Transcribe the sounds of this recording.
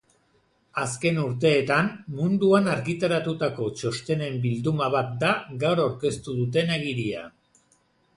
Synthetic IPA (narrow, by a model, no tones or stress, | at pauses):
aske̞nuɾt̪̬e̞ːt̪ammund̪uanaɾɣit̪aɾat̪ut̪ako̞t͡ʃo̞st̪e̞ne̞mbild̪umaβat̪̚d̪aɣawɾawɾke̞st̪uðut̪̬e̞neɣiɾia̰